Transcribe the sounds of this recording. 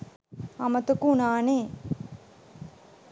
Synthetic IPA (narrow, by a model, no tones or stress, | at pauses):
ɐmət̪əkunaːneː